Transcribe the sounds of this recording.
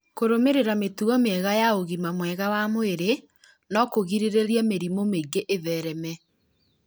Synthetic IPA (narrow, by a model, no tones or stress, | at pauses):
koɾomeɾeɾametuɔmeɛɣajaoɣimamwɛɣawamoeɾe | nɔkoɣiɾeɾeɾjameɾimomeɡeʔeðɛɾɛmɛ